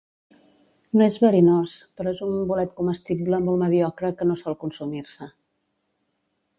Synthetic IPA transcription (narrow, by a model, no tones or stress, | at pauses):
noezβəɾinospəɾɔezumbulɛt̪kuməst̪ibləmolˠməðiɔkɾəkənosɔlˠkunsumiɾsə